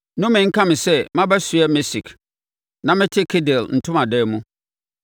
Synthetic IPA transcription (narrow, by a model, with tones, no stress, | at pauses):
nʊ̃˦mɪ̃˨ŋ̩˦kʰã˦mɪ̃˨sɛ˦mã˦bæ˦su˨ɛ˦mɪ˦si˨k | nã˨mɪ̃˦tʰɪ˦kʰe˦dɪ˨ln̩˨tʰʊ̃˦mã˨dɛː˦˨mũ˦